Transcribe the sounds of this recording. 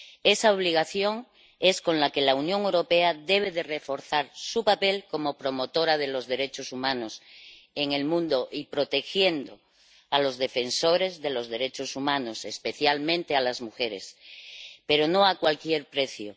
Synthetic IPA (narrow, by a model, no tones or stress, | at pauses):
esaoβ̞liɣ̞aθjo̞ŋ | e̞sko̞nlake̞launjo̞ŋewɾo̞pe̞aðe̞β̞e̞ðere̞fo̞ɾθaɾsupape̞lko̞mo̞pɾo̞mo̞t̪o̞ɾað̞e̞lo̞zðe̞ɾe̞t͡ʃo̞sumãno̞s | eŋe̞lmũnd̪o̞ʔipɾo̞t̪e̞xje̞nd̪o̞ | alo̞zðe̞fe̞nso̞ɾe̞zðe̞lo̞zðe̞ɾe̞t͡ʃo̞sumãnosespe̞θjalmẽnt̪ealazmuxe̞ɾe̞̰s | pe̞ɾo̞no̞akwalkje̞ɾpɾe̞θjo̰